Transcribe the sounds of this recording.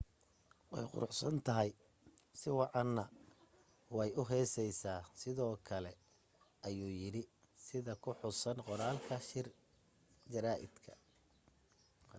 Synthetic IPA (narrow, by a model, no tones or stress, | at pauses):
wɑ̰jqʊ̰ɾʊħsɐnt̪ʰɐɦɐj | sɪwɑʕɑnːɐ | wɑjʊɦɛːsɛjsaːsɪðɔːkʰɐlɛ | ʔɐjuːjɪɽɪ | sɪðɐkʰʊħʊsɐnqɔɾaːlkʰɐʃɪr | d͡ʒɐɾaːʔɪ̰d̪kʰɐ̰